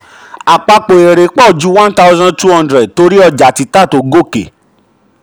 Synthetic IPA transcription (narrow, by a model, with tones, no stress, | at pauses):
a˨k͡pa˧k͡po˨e˨ɾe˨k͡pɔ˦˨d͡ʒu˨˦wã˦nta˦u˦zɔ̃˦tu˦hɔ̃˧ndɾɛ˨d̚to˧˦ɾi˦ɔ˧d͡ʒa˨ti˨˦ta˦˨to˨˦ɡo˦˨kḛ˨